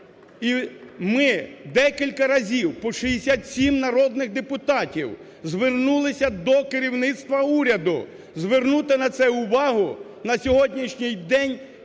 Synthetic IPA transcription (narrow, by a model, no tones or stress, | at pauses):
imɪd̪ɛkʲilʲkɐɾɐzʲiwpɔʃɪjesʲat̪ʲsʲimnɐɾɔd̪nɪɣd̪epʊt̪ɑtʲiw | zʋernulˠɪsʲɐd̪ɔkɪɾʲiwnɪt̪st̪ʋɐuɾʲɐd̪ʊ̰ | zʋernut̪ɪnɐt̪sɛʊʋɑɦʊ | nɐsʲɔɦɔdʲnʲiʃnʲɪjd̪ɛnʲ